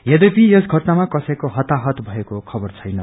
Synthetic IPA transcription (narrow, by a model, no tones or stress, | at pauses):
jed̪epijesɡʱʌʈnamakʌsʌjkoɦʌt̪aɦʌt̪bʱʌekokʰʌbʌrt͡sʰʌjnʌ